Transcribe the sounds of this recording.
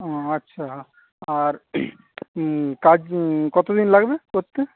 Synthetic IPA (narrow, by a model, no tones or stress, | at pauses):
ɔɐtːɕʰa | aɾ | kad͡ʑkɔt̪od̪inlaɡbekot̪ːe